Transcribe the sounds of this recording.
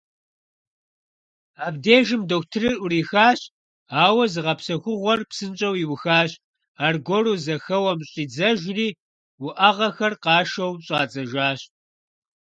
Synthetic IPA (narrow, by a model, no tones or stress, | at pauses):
aːbdeːʒɨmdoːkʷtʰɨrɨrʔʊɾiːxaːɕ | aːwɐzɨʁɐpsɐxʷʊʁʷɔrpsɨnt͡ʃʼɐwiwʊxaːɕʼ | aːrɡʷɔruːzɐxɐwɐmɕʼiːd͡zɐʒriː | wʊʔɐʁɐxɐrqɑːʃɐwɕʼɑːt͡sʼɐʒaːɕ